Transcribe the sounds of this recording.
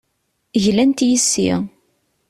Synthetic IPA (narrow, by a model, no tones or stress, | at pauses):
ʝlænt̪jəsːḭʁ